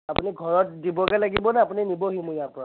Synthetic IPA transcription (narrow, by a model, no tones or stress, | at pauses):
apuniɡʱɔɹɔt̚dibɔkɛlaɡibɔnɛapuninibɔɦimujapɔɹa